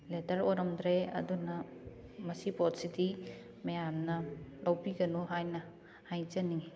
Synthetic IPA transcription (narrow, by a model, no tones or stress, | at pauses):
letɐɾojɾɐmd̪ɾeɐ̰dunɐmɐsipɔtsidi | mejamnɐlɐwpiɡɐnuɦajnɐ | hajt͡ʃɐniŋi